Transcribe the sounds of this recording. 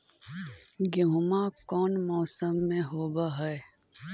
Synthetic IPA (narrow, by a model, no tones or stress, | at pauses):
ɡeɦʊmãkɔːnmɔːsəmːẽɦoːbaɦɛe